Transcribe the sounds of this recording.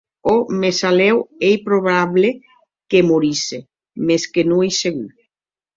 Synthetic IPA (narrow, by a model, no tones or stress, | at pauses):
omesalewejpɾoβaβle | kemoɾise | meskenũejseɣu